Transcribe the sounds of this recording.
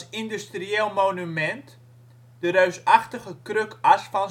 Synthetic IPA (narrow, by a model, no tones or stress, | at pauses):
sɪndystrieːlˠmownymɛnt | dəɾœɥsɑχtəχəkrøkʔɐsfɑn